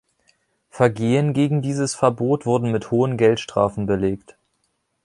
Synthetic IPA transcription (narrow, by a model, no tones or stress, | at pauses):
fɛɐɡeːənɡeːɡŋ̩diːzəsfɛɐboːtv̥ʊɐdn̩mɪthoːənɡɛltʃtʁ̥a̰ːfn̩bəleːkt